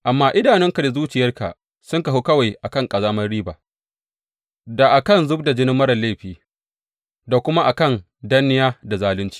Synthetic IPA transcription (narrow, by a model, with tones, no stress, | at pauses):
ʔa˨mːaː˦ʔɪ˦daː˨nɛ˦ŋka˨da˨zuː˦t͡ʃɪ˨jɐ˦rka̰˨ʔ | sʊ˦ŋka˨ɦʊ˦kɐ˦wa˨jʔa˨kɐ˦˨ŋkʼɐ˨zaː˦mɐ˦rɽiː˦baː˨ | da˨ʔa˨kɐ˦˨nzʊ˦b̚da˨d͡ʒɪ˦nɪ˦mːɐ˦ɾɐ˨nle˦˨ɸiː˨ | da˨kʷʊ˦ma˦ʔa˨kɐ˦˨n | da˦nːɪ˦jaː˦da˨zaː˦lɪ˦nt͡ʃi̥ː˨